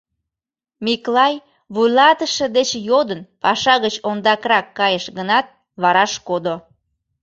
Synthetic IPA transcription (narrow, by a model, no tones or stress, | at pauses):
miklɑj | βujlɑt̪əʃə̆d̪et͡ɕjod̪ənpɑʃɑɣət͡ɕond̪ɑkrɑkːɑjəʃɣənɑt̪̚ | βɑɾɑʃkod̪o